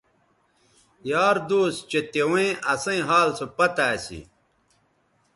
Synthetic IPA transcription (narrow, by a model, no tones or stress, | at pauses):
jaːɾd̪oːst͡ɕet̪ewẽʔɐsɐ̃ĩɦaːlsopɐt̪aːsḭ